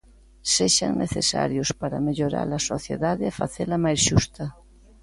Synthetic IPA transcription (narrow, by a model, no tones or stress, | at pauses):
seʃa̰ŋnʔeθesa̰ɾjospaɾameʎoɾa̰lasoθjḛðaðeːfa̰θelamajsʃust̪a